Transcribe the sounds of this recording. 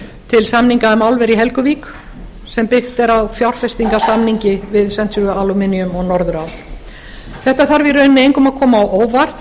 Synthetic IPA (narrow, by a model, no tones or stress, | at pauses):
t̪ʰɪlsamniŋkamawlvɛɾiɦɛlkʏviːk | sɛmpɪxt̪ɛɾawfjawɾ̥fɛst̪iŋkasamniɲcɪvɪðsɛnt̪sʏʏalumɪniʏmɔɣnɔɾðʏɾawl | θɛht̪aθaɾvɪɾœːnɪnejŋkɔmaðkʰɔːmaːwʔoːwvar̥t̪